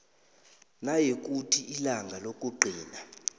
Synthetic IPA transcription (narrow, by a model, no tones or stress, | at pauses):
najek̬ʼutʰiʔilaŋɡʱalok̬ʼuǃʱiːna